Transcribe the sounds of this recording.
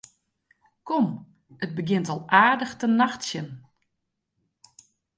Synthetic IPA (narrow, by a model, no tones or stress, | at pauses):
kɔm | ət̚bəɡɪntɔlˠʔaːdəxtənaxtsjən